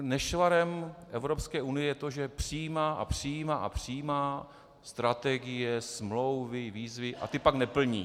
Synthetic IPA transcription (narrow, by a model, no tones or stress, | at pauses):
nɛʃvaɾɛmʔɛvɾopskɛːʔunɪjɛjɛt̪o̞ʒɛpr̥ɪjiːmaːʔa̰pr̝̥ɪjiːmaːʔa̰pr̝̥ɪjiːmaː | st̪ɾat̪ɛɡɪjɛsmlowvɪviːzvɪʔa̰t̪ɪpaknɛpl̩ɲiː